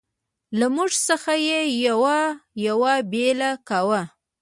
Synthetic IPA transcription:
lamuʐsəxajejawajawabelakawa

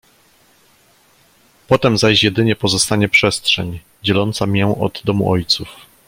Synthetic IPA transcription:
pɔt̪ɛmzaʑjɛd̪ɘɲɛpɔzɔst̪aɲɛpʂɛst̪ʂɛɲ | d͡ʑɛlɔnt̪samʲjɛʔɔ̰d̪ːɔmṵʔɔjt̪suf

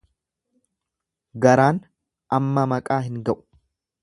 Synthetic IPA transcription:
ɡɐɾaːn | ʔɐmːɐmɐkʼaːɦɪŋɡɐʔʊ̥

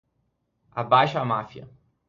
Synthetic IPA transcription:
a̰bajʃɐamafiɐ̰

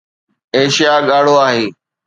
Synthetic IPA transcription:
eːʃijaɠaːɽ̤oaːɦeː

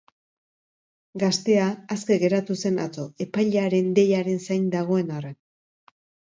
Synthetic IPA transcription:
ɡast̪e̞aːske̞ɣe̞ɾat̪use̞na̰t͡so̞e̞pajʎeaɾe̞nd̪e̞jaɾe̞nsajnd̪aɣ̞o̞e̞naren

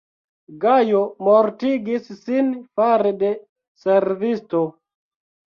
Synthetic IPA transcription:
ɡajomoɾtiɡissinfaɾede | seɾvisto

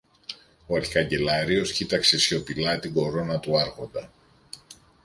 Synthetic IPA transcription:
oɐɾçi̥ɐɲɟe̞lɐɾio̞scit̪ɐkse̞sço̞pilɐt̪iɡo̞ɾo̞nɐt̪uɐɾɣo̞nd̪ɐ

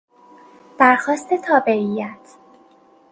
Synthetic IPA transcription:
d̪̥æɾxɒːst̪e̞t̪ʰɒːbe̞ɾijæt̪ʰ

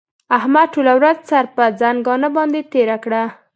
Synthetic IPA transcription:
ahmad̪̚ʈolawɾazt͡saɾpəd͡zaŋɡɑnəbɑnd̪et̪eɾakɽa

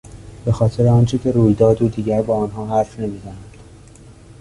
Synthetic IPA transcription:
b̥e̞xɒːt̪ʰe̞ɾeɒːnt͡ʃʰecʰe̞ɾuːjd̪ɒːd̪uːd̪iːɟæɾbɒːnɦɒːɦæɾfne̞miːzænænd̪̥

